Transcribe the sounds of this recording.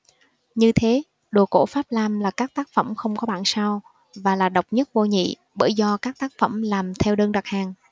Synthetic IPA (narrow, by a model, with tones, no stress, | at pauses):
ɲɨ˧t̪ʰe˨˦ | ɗo˨˩ko̰˧˥faː˦˥p̚laː˧mlaː˨˩kaː˦˥k̚t̪aː˦˥k̚fə̰˧˩mxə˧wŋ͡mkɔ˨˦ɓa̰ː˧˨nsaː˧w | vaː˨˩laː˨˩ɗə˨˩wk͡p̚ɲə˦˥t̚vo˧ɲḭ˧˨ | ɓəː˧˩jzɔ˧kaː˦˥k̚t̪aː˦˥k̚fə̰˧˩mlaː˨˩mt̪ʰɛ˧wɗəː˧ŋɗa˨˩k̚haː˨˩ŋ